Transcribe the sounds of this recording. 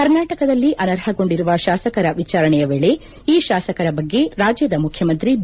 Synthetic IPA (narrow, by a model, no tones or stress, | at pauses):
kɐɾnaːʈɐkɐd̪ɐlːiʔɐnɐɾhɐɡo̞ɳɖiɾuʋɐʃaːsɐkɐɾɐʋit͡ʃaːɾɐɳɛjɐʋeːɭe̞ | iːʃaːsɐkɐɾɐbɐɡːe̞ɾaːd͡ʒjɐd̪ɐmukʰjɐmɐnt̪ɾi